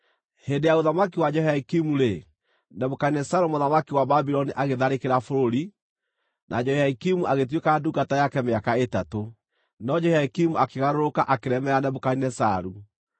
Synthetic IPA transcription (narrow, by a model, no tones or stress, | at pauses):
hendejaoðamakiwad͡ʒɛhaikimuɾe | nɛβokainɛsaɾumoðamakiwababiɾɔniʔaɣeðaɾekeɾafoɾoɾi | nʔa̰d͡ʒɔhaikimuʔaɣet̬wekaduɡatajakɛmeakaetato | nɔd͡ʒɛhaikimuakeɣaɾoɾokaʔakeɾɛmɛɾanɛβokainɛsaɾu